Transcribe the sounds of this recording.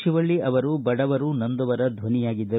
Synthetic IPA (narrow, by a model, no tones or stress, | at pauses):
ʃiʋɐɭːiʔɐʋɐɾubɐɽɐʋɐɾunɐnd̪ɐʋɐɾɐd̪ʱʋɐnijaːɡid̪ːɐ